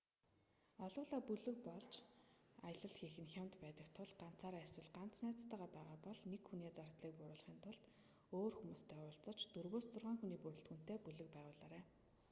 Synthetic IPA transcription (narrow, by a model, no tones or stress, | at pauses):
ɔɮʊːɮaːpuɮɘ̆k̚pɔɮt͡ɕ | ajə̆ɮə̆ɮxiːxɘ̆nxʲjamt̪pæːt̪ə̆kt̪ʰʊɮɢan̥t͡saːɾswə̆ɮɢan̥t͡snæːt͡st̪aːʁaːpæːʁaːpɔɮnekxuneːt͡sart̪ɮiːk̚pʊɾʊːɮ̆χiːnt̪ʰʊɮt̪ | oːrxumuːst̪ʰœːʊːɮt͡sɞ̆t͡ɕt̪urɣoːst͡sʊrʁaːŋxuniːpuɾɵ̆ɬt̪xun̥t̪eːpuɮɘ̆k̚pæːʁʊːɮaːɾæː